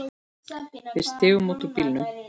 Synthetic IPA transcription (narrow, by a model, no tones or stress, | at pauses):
ɪst̪ɪːvʏmoːt̪upilnʏ